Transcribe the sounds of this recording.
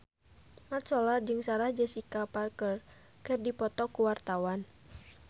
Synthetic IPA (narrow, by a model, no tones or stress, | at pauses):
mat̪̚sɔlard͡ʒɨŋsaɾahd͡ʒəsikaparkər | kərdipɔt̪ɔkuwart̪awan